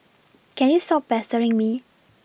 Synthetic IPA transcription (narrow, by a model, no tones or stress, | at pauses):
kɛ̃njustɔp̚pːɛstəɹĩŋmi